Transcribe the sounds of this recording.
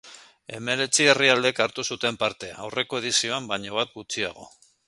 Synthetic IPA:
e̞me̞ɾe̞t͡sieriald̪e̞kaɾt̪usut̪e̞mpaɾt̪e̞a̰wre̞ko̞eð̞isio̞ambaɲoβ̞at̪̚ɡut͡sia̰ɣ̞o̞̰

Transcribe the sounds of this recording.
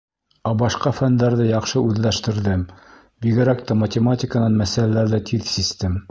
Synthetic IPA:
ɑbɑʃqɑfænd̪æɾðɘjɑqʃɤʉðlæʃt̪ɘ̆ɾðɘm | biɡɘ̆ɾækt̪ɑmɐtʲɪmatʲɪkənɑnmæsælælæɾðɘt̪ʰiðsist̪ɘm

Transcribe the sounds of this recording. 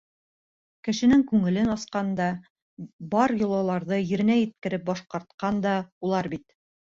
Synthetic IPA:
kɘ̆ʃɘ̆nɘŋkʉŋɘ̆lɘnɑsqɑnd̪ɑ | bɑɾjŏlˠɑlˠɑɾðɤjɘ̆ɾɘ̆næjɘ̆t̪̚kɘ̆ɾɘp̚bɑʃqɑɾt̪̚qɑnd̪ɑulˠɑɾbit̪

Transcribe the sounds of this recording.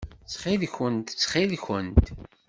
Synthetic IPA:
t͡sχilçənt̪t͡sːχilçənt̪

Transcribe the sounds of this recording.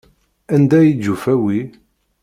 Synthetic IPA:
ænd̪æjid͡ʒːufæwi

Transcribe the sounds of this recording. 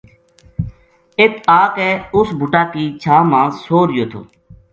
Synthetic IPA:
et̪ʰaːkɛːʊsbʱʊʈaːkiːt͡ʃʰaːmãːsoːɾɪjoːt̪ʰo̰ː

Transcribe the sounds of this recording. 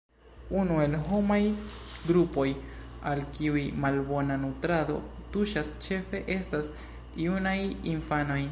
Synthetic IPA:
unue̞lɦo̞majɡɾupo̞jalkiujmalbo̞nanutɾado̞̰tuʃast͡ʃe̞fe̞ʔe̞stas | iunajinfano̞j

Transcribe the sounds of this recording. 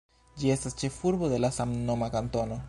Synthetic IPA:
d͡ʒie̞stast͡ʃe̞fuɾbo̞de̞lasamno̞makanto̞no̞

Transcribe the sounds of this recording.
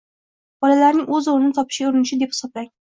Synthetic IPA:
b̥ɒlalaɾnɪŋɵzʊɾɪnɪt̪ʰɒpʰɪ̥ʃɡʲaʊɾɪnɪʃɪd̪ephɪ̥sɒblaŋ

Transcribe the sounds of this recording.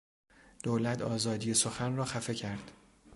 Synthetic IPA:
d̪̥oːlæt̪ʰɒːzɒːd̪ije̞soxænrɒːxæfe̞cʰæɾd̪̥

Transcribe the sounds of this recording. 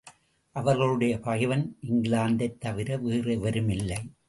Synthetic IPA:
ʔɐʋɐɾɣɐɭɯɽɐjɐpɐɣɪʋɐnʔɪŋɡɪɭaːnd̪ɐɪt̪ːɐʋɪɾɐʋeːrɐɪʋɐɾɯmɪlːɐɪ

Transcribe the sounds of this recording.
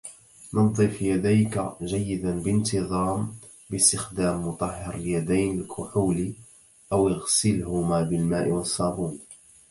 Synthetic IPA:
nʊnd̪ˤiːfjad̪ajkaʒajːɪd̪anbɪnt̪ɨðˤɑːm | bɪst̪ɪxd̪aːmːʊt̪ˤɑhːɪɾaljad̪ajnɪlkʰʊħuːl | ʔawɪɣsɪlhʊmaːbɪlmaːʔɪwɑsˤːɑːbuːn

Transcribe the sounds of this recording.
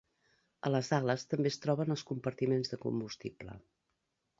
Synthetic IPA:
ə̰ləzaɣləst̪əmbest̪ɾɔβənəlˠskumpəɾt̪imenzðəkṵmbust̪iblə̰

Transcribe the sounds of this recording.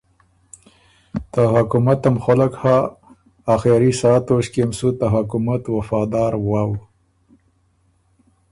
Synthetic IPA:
t̪aɦakumat̪amxalakhaː | xeɾisɑːt̪oʃkemsut̪aɦakumat̪wafɑd̪ɑɾwaw

